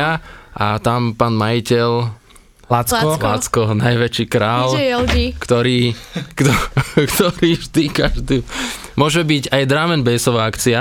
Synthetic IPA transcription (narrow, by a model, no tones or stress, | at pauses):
aʔat̪ampaːnmajicɛl | akɔlat͡skɔnajʋɛt͡ʃiːkɾaːljɛld͡ʒikt̪ɔɾiːkt̪ɔkt̪ɔɾiːʒd̪ikaʒd̪u | mʊɔʒɛbiɟajd̪ɾaːmɛnbɛjsɔʋaakt͡sia